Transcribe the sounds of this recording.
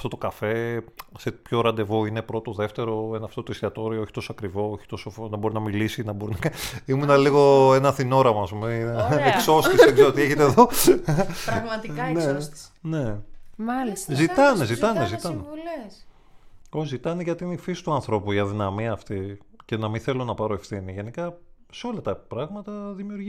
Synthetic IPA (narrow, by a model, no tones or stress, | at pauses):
ɐft̪ot̪o̞kɐfe̞sepço̞ɾɐnd̪e̞vo̞ine̞pɾo̞t̪oðe̞ft̪e̞ɾo̞enɐft̪o̞t̪oisiɐt̪o̞ɾiooçi̥t̪osoɐkɾivo̞oçi̥t̪o̞sofnɐbo̞ɾinɐmilisinɐbo̞ɾinɐkaimunɐliɣo̞enɐθino̞ɾɐmɐɐːspumeekso̞st̪isðeɡzeɾot̪ieçet̪eðo̞ | ɾmɐt̪inene̞mɐliszzit̪ɐnezit̪ɐnezit̪ɐnels | ozit̪ɐneʝɐt̪inifisi̥t̪uɐnθɾo̞puiɐðinɐmiɐːft̪ice̞nɐmĩθe̞lo̞nɐpɐɾoefθiniʝe̞nikɐ | seo̞lɐt̪ɐpɾɐɣmɐt̪ɐðimiuɾʝi